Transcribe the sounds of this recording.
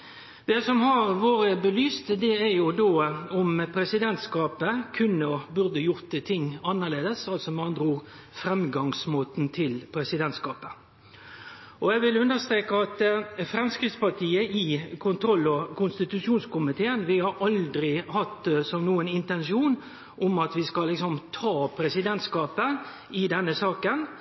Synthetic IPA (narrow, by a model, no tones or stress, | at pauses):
d̪̥ɛsɔmhɑɾʋoːɾəbəlyːst̪əd̪ɛæɾjʊd̪oːɔmpʰɾɛsɪd̪ɛnt̪skɑːpəkʰʉnːəbʉɾd̪əjʊɾt̪t̪ʰɪŋːɑnːəleːd̪əsɑlsɔmɑnd̪ɾuːʁ | fɾɛmɡɑŋsmoːt̪n̩t̪ʰɪlpʰɾɛsɪd̪ɛnt̪skɑːpə̥ | ʔɔɛɡʋɪlʉnd̪əst̪ɾeːkəɑt̪fɾɛmskɾɪftspɑt̪ʰiːəʔɪkʰʊnt̪ʰɾɔlːɔkʊnst̪ɪt̪ʉʂuːnskʊmɪt̪ʰeːənʋɪhɑɾɑld̪ɾɪhɑt̪ːsɔmnuːənɪnt̪ɛnʂuːn | ʔʊmɑt̪ʋɪskɑlːɪksɔmt̪ʰɑːpʰɾɛsɪd̪ɛnt̪skɑːpə | ɪd̪ɛnːəsɑːkən